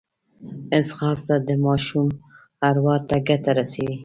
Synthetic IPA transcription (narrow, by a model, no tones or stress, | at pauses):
ɪsxɑst̪ad̪əmɑʃum | aɾwɑt̪aɡat̪aɾasewi